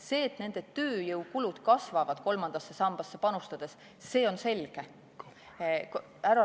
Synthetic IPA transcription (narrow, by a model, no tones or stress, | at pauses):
se̞ːt̪ne̞nd̪̥e̞t̪øːjɤwkulud̪̥kɑsvɑvɑd̪̥ko̞lmɑnd̪̥ɑsːe̞sɑmb̥ɑsːe̞pɑnust̪ɑd̪̥e̞sː | e̞ːo̞nse̞lɡ̥e̞ | k | æɾɑ